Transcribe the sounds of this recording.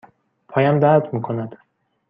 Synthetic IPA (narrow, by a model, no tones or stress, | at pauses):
pʰɒːjæmd̪æɾd̪miːkʰo̞næd̪̥